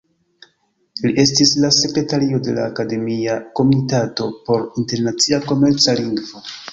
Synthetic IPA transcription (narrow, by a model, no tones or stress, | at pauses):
liʔe̞stislase̞kɾe̞taɾio̞de̞la̰ːkade̞miako̞mitato̞po̞ɾinte̞ɾnat͡siako̞me̞ɾt͡saliŋɡvo̞